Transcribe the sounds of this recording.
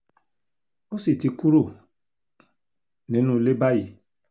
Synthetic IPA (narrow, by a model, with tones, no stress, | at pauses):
o˦si˦˨ti˨˧ku˦ɾo˦˨ | nĩ˨˦nũ˦˧le˦ba˦ji˨